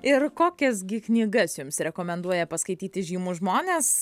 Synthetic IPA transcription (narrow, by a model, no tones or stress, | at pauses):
ɪrkoːkʲɛsɡʲɪknʲiːɡɐsjʊmsɾʲɛkoːmʲɛnd̪uɔjɛpɐskɐɪt̪ʲiːt̪ʲɪʒʲiːmuːʒmoːnʲes